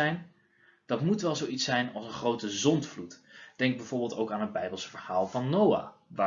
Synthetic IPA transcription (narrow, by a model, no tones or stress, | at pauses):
ɛjn | d̥ɑtmutʋɛlˠzowitsɛjnɑlˠsənχrowtəzɔntflutd̥ɛŋɡ̚bɛjv̥ʊːɹbɪlˠtowkaːnɦəd̚bɛjbəlˠsvəɹhaːlˠvɑnːowa̰ːʋaː